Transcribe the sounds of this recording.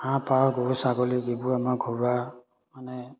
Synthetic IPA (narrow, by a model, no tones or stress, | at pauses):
hãpaɡɔɹusaɡɔlizibʊamaɡʱɔɹa | manɛ